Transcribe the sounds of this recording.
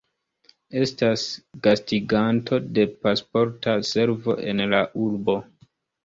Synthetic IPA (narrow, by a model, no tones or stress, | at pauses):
e̞stasɡ̥astiɡantʰo̞de̞paspo̞ɾtase̞ɾvo̞̰ʔe̞nlaʔuɾbo̞